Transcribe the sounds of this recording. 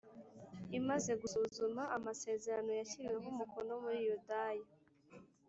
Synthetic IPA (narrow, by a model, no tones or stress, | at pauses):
imaze̞ɡusuːzumaʔamase̞ːze̞ɾano̞jaçiɾiweɦumukono̞muɾijodaja